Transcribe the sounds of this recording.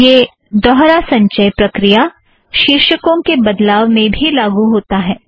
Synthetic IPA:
jeː | d̪ɔɦɾasɐ̃ɲt͡ʃəjpɾɐkɾija | ʃɪɾʃəkõkebɐd̪laːʋmẽbʱilaːɡuɦoːt̪aɦɛː

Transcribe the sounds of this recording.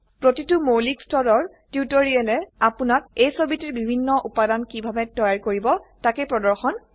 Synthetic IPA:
pɹotitʊmolikstɔdɔɹ | tutɔɹiɛlɛapʊnak̚ejsobitiɹbibʱinːɔʔupadankibʱabɛtɔjaɹkoɹibɔtakɛpɹɔdɔɹxɔn

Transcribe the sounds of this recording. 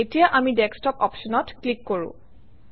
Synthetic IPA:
etijaʔamidɛkstɔkɔpʃɔnɔtklikːoɹṵ̃

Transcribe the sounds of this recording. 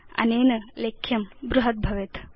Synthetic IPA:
ɐ̰neːnɐleːkʰjɐmbɾuɦɐt̪̚bʱɐʋet̪

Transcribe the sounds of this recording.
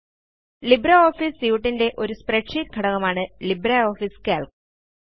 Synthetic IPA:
libɾɐoːfisjuːʈːinde̞ʔo̞ɾuspreʈʂitɡʰʱɐɽɐɣɐmaːɳɨlibɾɐo̞ːfiskaːlk

